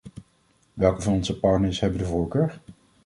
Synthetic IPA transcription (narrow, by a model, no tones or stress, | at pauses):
ʋɛlˠkəvɑnɔnzəpɑɹtnəɹsɦɛbəndəvʊːɹkøːɹ